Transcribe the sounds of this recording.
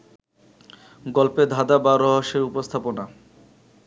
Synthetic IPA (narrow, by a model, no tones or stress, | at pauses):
ɡɔlped̪ʱad̪abaɾɔɦoʃeɾupost̪ʰapona